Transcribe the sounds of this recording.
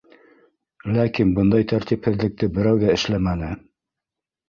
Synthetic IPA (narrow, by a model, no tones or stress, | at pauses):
lækinbɤnd̪ɑjt̪ʰæɾt̪iphɘ̆ðlɘ̆k̚t̪ɘbɘ̆ɾæwðæɘ̆ʃlæmænɘ